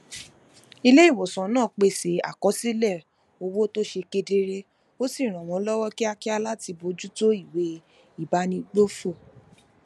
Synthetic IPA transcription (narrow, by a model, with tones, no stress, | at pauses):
i˧le˦i˦˨wɔ˨sã˨˦nãː˦˨k͡pe˧˨se˨˦a̰˨kɔ˨˦si˦lɛ˦˨ | o˧wo˦to˦ʃe˧ke˧de˧ɾe˦ | o˦si˦˨ɾ̃ã˨w̃ɔ̃˨˦lɔ˦wɔ˦ki˦a˧ki˦a˧la˦ti˧bo˨˧d͡ʒu˦to˦i˦˨we˨˦ | i˦˨ba˨˦nĩ˧ɡ͡bo˦fo˦˨